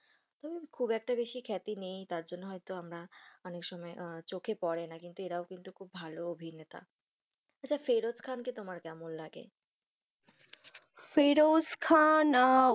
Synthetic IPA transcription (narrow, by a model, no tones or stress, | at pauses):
t̪ɔbekʰubɛk̚ʈabeʃikʰɛt̪inejt̪aɾd͡ʑonːoɦɔjt̪oamɾaɔnekʃɔmɔet͡ɕokʰepɔɾenakint̪ueʈaokint̪ukʰubbʱaloobʱinet̪a̰ | atːt͡ɕʰafeɾoskʰanket̪omaɾkɛmonlaɡḛ | feɾoskʰan